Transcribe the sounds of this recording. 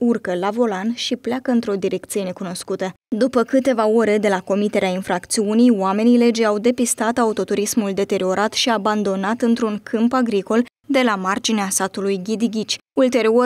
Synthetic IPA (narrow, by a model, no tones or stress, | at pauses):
urkəlavo̞lanʃipleakəɨnt̪ɾo̞d̪iɾe̞k̚t̪sije̞ne̞kuno̞skut̪ə | d̪upəkɨt̪e̞vao̞ɾe̞d̪e̞lako̞mit̪e̞ɾeainfɾakt̪siunijwame̞nile̞d͡ʒawd̪e̞pist̪at̪aut̪o̞t̪uɾismuld̪e̞t̪e̞ɾio̞ɾʔat̪ʃiaband̪o̞nat̪ɨnt̪ɾuŋkʰɨmpaɡɾiko̞l | d̪e̞lamard͡ʒineasat̪ulujɡʲid̪iɡʲit͡ʃʲult̪e̞ɾio̞